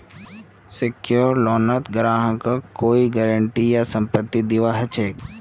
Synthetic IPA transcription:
sekjoːɾlɔːnət̪ɡɾãːɦə̃kakoːiɡəɾəɳʈijasə̃mpət̪ːid̪iʋaɦət͡ʃʰeːk

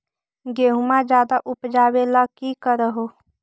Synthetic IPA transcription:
ɡeɦumãd͡ʒjaːd̪aʔʊpd͡ʒaːwelakikəɾəɦo

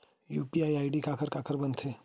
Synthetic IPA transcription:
juːpiaːjaːɪɖikaːkəɾkaːkʰəɾbɐnt̪ʰeː

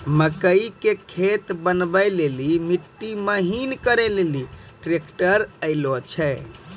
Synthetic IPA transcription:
məkəikekʰet̪bənbəlelimiʈːiməɦinkəɾɛleliʈɾekʈəɾəɪlot͡ʃʰɛ

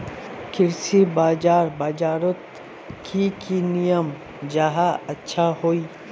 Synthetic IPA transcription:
kɪɾsibaːd͡ʒaːɾbaːd͡ʒaːɾʊt̪ | kʰikinijəm | d͡ʒaɦaɐtːʃʰaɦoːiː

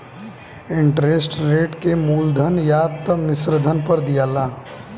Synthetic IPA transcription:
ɪɳʈɾeːsʈɾeːʈkemuːld̪ʱənjaːt̪əmɪsɾd̪ʱənpəɾd̪ijaːlaː

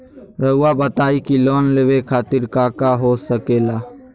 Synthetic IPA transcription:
ɾəʊwabət̪aːikiloːnleʋekʰaːt̪ɪɾkaːkaɦoːsəkeːlaː

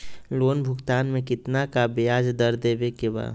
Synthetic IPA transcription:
loːnbʱʊkt̪aːnmẽkɪt̪nakabɪjaːd͡ʒd̪əɾd̪eːbekeba̰ː

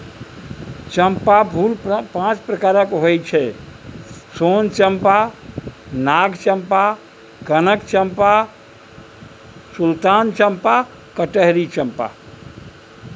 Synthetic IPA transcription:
t͡ʃəmpabʱulpãt͡ʃpɾəkaɾəkɦojt͡ʃʰɛ | sont͡ʃəmpa | naɡt͡ʃəmpa | kənəkt͡ʃəmpa | sult̪ant͡ʃəmpa | kəʈəɦɾit͡ʃəmpa̰

